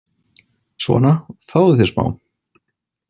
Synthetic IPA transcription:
svɔ̰ːnafaːwðɪθɛsma̰ːwn

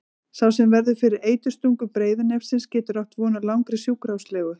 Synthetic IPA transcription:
sawsɛmvɛɾðʏfɪɾɪɾeːjt̪ʏ̥st̪uŋkʏpɾeːjðɪnɛfsɪnscɛːt̪ʏɾawht̪vɔːnalawŋkɾɪsjuːkɾawslɛːɣʏ

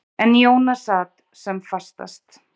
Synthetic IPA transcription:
ɛnjoːwnasaːt̪ | sɛmfast̪a̰st̪

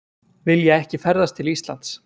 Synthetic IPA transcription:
vɪljɛɣɛhcɪfɛɾðast̪ʰɪlist̪la̰n̥t̪s

